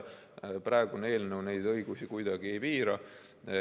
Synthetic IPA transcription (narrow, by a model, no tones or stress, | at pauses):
prɑeɡune̞ːlnewne̞jd̪̥ɤjɡ̥usikujd̪̥ɑɡie̞jpiːɾɑ